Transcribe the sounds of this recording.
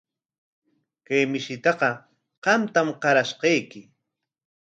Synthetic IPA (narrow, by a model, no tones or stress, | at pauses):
kajmɪʃɪt̪ɑqɑ | qɑmt̪amqɑɾaʃqɑjkɪ